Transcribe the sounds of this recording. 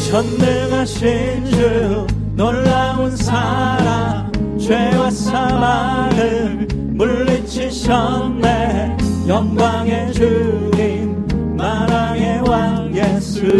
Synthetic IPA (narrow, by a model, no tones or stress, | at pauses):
t͡ɕʌnːeŋaɕʰi | nd͡ʑu | nʌɭːaunsaɾamt͡ɕwewasʰaɾaɾɯn | muɭːit͡ɕʰiɕʰʌnde | jʌŋɡwaŋed͡ʑuɾin | maɾaŋewanɡesu